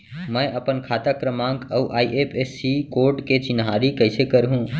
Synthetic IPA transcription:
mə̃ʔəpənkʰaːt̪akɾəmãːŋkəʔaːiʔepʰesːikoːɾʈket͡ʃɪnɦaːɾikəɪsekəɾɦũ

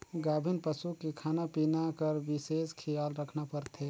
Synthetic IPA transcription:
ɡaːbʱinpəsukekʰaːnapinakəɾbɪseːskʰijaːlɾəkʰnapəɾt̪ʰe

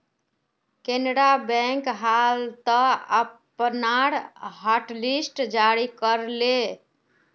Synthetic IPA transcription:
kenɾabɛ̃ŋkɦalt̪əəpənaɽɦəʈlisʈd͡ʒaɾikəɾle

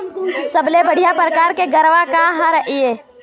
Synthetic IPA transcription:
səblebəɽ̤ijapɾəkaːɾkeɡəɾʋakaɦãɾəɦieː

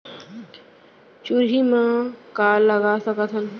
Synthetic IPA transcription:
t͡ʃuɾɦimãkaːlːəɡasəkət̪ʰɦən

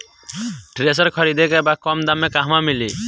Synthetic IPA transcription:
ʈɾes̬əɾkʰʌɾid̪ekɛbakːɔmd̪amekaɦmamili

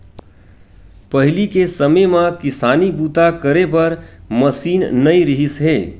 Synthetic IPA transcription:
pəɦɪlikesəmemãkɪsaːnibuːt̪akəɾepɐɾməsiːnnɐĩɾɪɦisɦeː

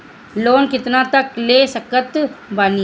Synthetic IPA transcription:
loːnkɪt̪nat̪əkleːsəkət̪bani

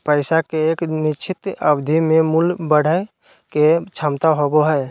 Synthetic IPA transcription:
pəɪsakeeːknit͡ʃʰɪt̪əbd̪ʱimẽmulbəɽ̤əj | ket͡ʃʰamt̪aɦoboɦɛj

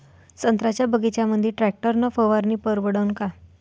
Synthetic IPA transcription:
sənt̪ɾat͡ɕjabəɡit͡ɕjaməd̪ʱjiʈɾæk̚ʈəɾnəfəʋaɾniːpəɾʋəɽəwnka

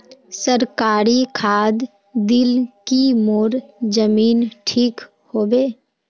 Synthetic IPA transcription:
səɾkaːɾikʰaːd̪ | d̪ɪlkimoːɾd͡ʒəmiːnʈʰiːk | hoːbeː

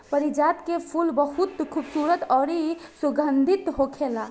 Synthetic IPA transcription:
pəɾid͡ʒat̪kepʰulbəɦut̪kʰubsuɾət̪ɔɾisuɡənd̪ʱit̪ɦokʰelã

